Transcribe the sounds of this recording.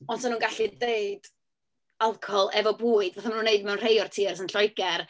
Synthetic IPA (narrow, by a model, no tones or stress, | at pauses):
ɔnsɔnuːnɡaɬideɨd̥ | alˠkʰɔhɔlˠɛvɔbuːɨdvaθamanuːnːeɨdmɛwnr̥ejɔrtʰirsənɬɔjɡɛr